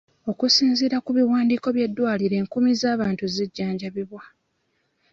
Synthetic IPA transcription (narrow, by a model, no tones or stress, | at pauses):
o̞kusiːnziɾakuβiwaːndiːko̞βje̞dːwaːliɾe̞ːŋkumizaːβaːntuziɟːaːɲɟaβiβwa